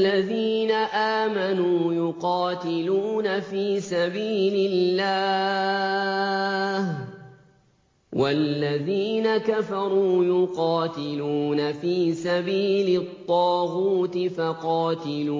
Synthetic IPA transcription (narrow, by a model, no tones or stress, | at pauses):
aðiːnaʔaːmanuːjʊqɑːt̪ɪluːnafiːsabiːlɪlːaː | h | walːaðiːnakafɑɾˤuːjʊqɑːt̪ɪluːnafiːsabiːlɪt̪ˤːɑːɣuːt̪ɪfɑqɑːt̪ɪluː